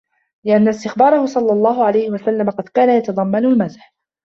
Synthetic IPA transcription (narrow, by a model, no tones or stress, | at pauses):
lɪʔanːast̪ɪxbɑːɾˤɑhʊsˤɑlːɑlˤːɑːɦʊʕalajhɪwasalːamaqɑd̪kaːnajɑt̪ɑd̪ˤɑmːanʊlmazħ